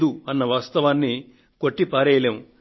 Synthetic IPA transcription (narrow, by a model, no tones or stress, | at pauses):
d̪uɐnːɐʋaːst̪ɐʋaːnːi | koʈːipaːɾɛːjlem